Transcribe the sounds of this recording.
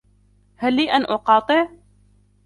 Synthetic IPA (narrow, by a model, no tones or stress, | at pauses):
halːiːʔanʔʊqɑːt̪ˤɨʕ